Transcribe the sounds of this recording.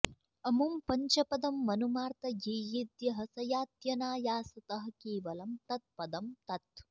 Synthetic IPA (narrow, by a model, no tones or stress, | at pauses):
ɐmumpɐɲt͡ʃɐpɐd̪ɐmːɐnumaːɾt̪ɐjejid̪jɐɦɐsɐjaːt̪jɐnaːjaːsɐt̪ɐɦɐ̆keːʋɐlɐmt̪ɐt̪̚pɐd̪ɐmt̪ɐt̪